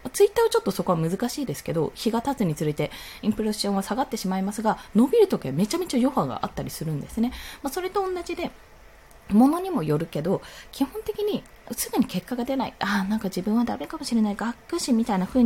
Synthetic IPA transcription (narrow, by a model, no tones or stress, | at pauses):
mat͡sɨit̪ːaːβat͡ɕo̞t̪ːo̞so̞ko̞βamɯzɨkaɕiːd̪e̞sɨ̥ke̞d̪o̞̰çiɡat̪at͡sɨɲ̟it͡sɨɾɯit̪e̞ĩmpɯɾeɕɕõɰ̃asaɡat̪ːe̞ɕimaimasɨɡano̞bʲiɾɯ̟t̪o̞kʲiβame̞t͡ɕame̞t͡ɕajo̞haɡa̰ʔa̰t̪ːaɾʲisɨɾɯ̟̃nd̪e̞sɨne̞maso̞ɾe̞t̪õ̞ːnːaʑid̪e̞ | mo̞no̞ɲ̟imo̞jo̞ɾɯ̟ke̞d̪o̞kʲihõ̞nt̪e̞kʲiɲ̟i | sɨɡɯ̟ɲ̟ike̞kːaɡad̪e̞naḭʔanãŋkaʑibɯ̟̃ɰ̃βad̪ame̞kamo̞ɕiɾe̞naiɡakːɯ̟ɕimʲit̪ainaɸɯ̟ːɲ